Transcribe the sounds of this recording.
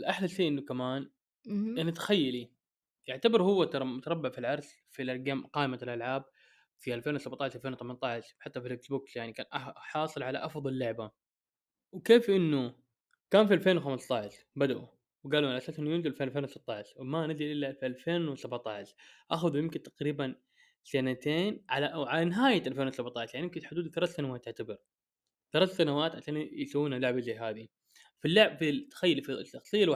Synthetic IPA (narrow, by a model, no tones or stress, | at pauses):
lʔaħlaʃiːʔɪnːukamaːn | anːit̪ḁxajːali | jɪʕt̪abɪɾhʊwːat̪t̪ɑɾˤɑbːaʕfilʕɑɾˤs | filʔaɡamqɑːʔɪmalʔalʕaːb̚ | fiʔalfeːnwsabʕt̪ɑːʕʃʔalfeːnwɪt̪amant̪ˤɑʕʃħat̪ːafilɪksbʊːksjaʕnikaːnʔaħɑːsˤɨlʕalaʔɑfðˤɑlːʊʕba | wkeːfʔɪnːu | kaːnfialfeːnwxamɪst̪ˤɑʕʃ | bad̪aʔu | wɡaːlulʔasaːsʔɪnːujɪnzɪllfeːllfeːnwsɪt̪ˤːɑːʕʃmanɪzɪlʔɪlːafiʔalfeːnwɪsabʕt̪ˤɑːʃʔaxaðujɪmkɪnt̪aqɾiːban | sanat̪eːnʕalaʔwʕalanɪɦaːjaʔalfeːnwɪsabt̪ˤɑːʕʃaʕnijɪmkɪnħʊd̪uːd̪θɑɾɑt̪sanawaːt̪ːɪʕt̪abɑɾ | θɑɾaːt̪sanawaːt̪ʕaʃaːnsawːuːnalʊʕbazaːɦaːði | filːaʕbfit̪ːḁxajːalifit̪ːɑxsˤiːal